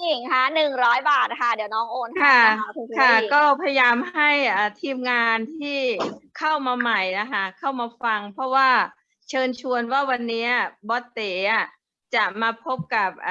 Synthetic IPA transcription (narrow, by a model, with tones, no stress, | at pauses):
i˨˩ŋkʰa˦˥˩nɯ˨˩ŋɾɔː˦˥jbaː˨˩t̪̚kʰa˥˩d̪i˨˩˦wnɔː˨˦˥ŋʔoː˧nkʰa˥˩˧kʰa˥˩kɔː˥˩pʰa˧ja˧jaː˧mɦa˥˩jʔaː˨˩t̪ʰiː˧mŋaː˧nt̪ʰiː˥˩kʰa˥˩wmaː˧ma˨˩jna˦˥kʰa˦˥kʰa˥˩wmaː˧fa˧ŋpʰɔ˦˥waː˥˩ | t͡ɕʰɤː˧nt͡ɕʰu˧ənwaː˥˩wa˧nːiː˦˥ʔa˨˩bɔː˦˥t̪ːeː˩˦ʔa˧˩ | t͡ɕa˨˩maː˧pʰo˦˥p̚ka˨˩p̚ʔ